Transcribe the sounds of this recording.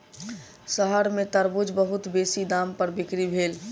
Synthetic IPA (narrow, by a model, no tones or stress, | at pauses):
səɦəɾmẽt̪əɾbud͡ʒbəɦʊt̪beːsid̪aːmpəɾbɪkɾibʱeːl